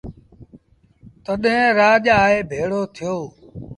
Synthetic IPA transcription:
t̪əɗɦẽːɾaːʄaːeːbʱeːɽoːt̪ʰɪjoː

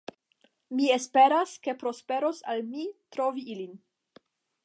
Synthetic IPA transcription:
miespe̞ɾaske̞pɾo̞spe̞ɾo̞salmitɾo̞viilin

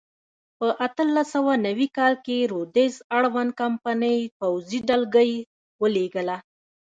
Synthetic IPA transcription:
pəʔat̪əlːasawanawikɑlkeɾod̪ezaɽwan̚kampanəjpawziɖalɡəj | wəleɡəla

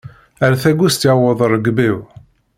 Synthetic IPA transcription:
æɾæθæɡust̪iʕwəðˤəɾˤːəɡbiw

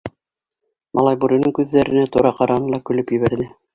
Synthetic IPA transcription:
mʔɑ̰lˠɑjbuɾĭnɤŋkʉðːæɾɘ̆næt̪uɾɑqɑɾɑnɤɤlˠɑkɵ̆lɵpjɘ̆βæɾðɘ

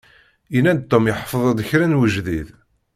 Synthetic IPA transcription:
jinænt̪ːomjəħfəðˤæd̪əçɾænwəʒðið

